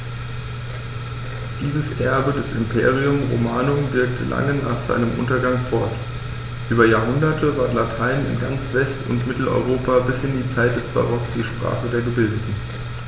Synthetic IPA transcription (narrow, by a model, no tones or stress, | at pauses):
d̥iːzəsʔɛɐbədɛsɪmpʰeːʁ̞iʊmo̰maːnovɪɐktʰəlʔa̰ŋəna̰ːχz̥a̰ɪnəmʔʊ̰ntɐɡaŋfɔɐt | ʔyːbɐjaːɐɦʊndɐtʰəvaɐtlatʰaɪnɪ̰nɡant͡sv̥ɛstʰʊ̰ntmɪtl̩ʔɔ̰ʏʁ̞oːpʰabɪsɪndiːt͡saɪt̚d̥ɛsb̥a̰ʁɔksd̥iːʃpʁ̥a̰ːχədeːɐɡəbɪldətn̩